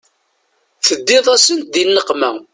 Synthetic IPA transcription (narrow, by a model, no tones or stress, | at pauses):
θəd̪ːɪðˤæsənt̪̚d̪inːəqmæ